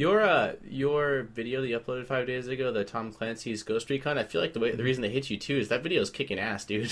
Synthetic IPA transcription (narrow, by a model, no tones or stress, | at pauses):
jə˞ʌjə˞vɪɾioʊðɨʌploʊɾɨd̥faɪvdeɪzɨɡoʊðɨtʰɑ̃mkʰl̥ɛ̃nsizɡoʊstɹ̥it̚kʰʌ̃naɪfilaɪk̚ðəweɪðɨɹizn̩tʰɨɦɪt͡ʃɨtʰʉɨzðɨtvɪɾioʊz̥kʰɪkɪ̃ŋæsd̥ʉ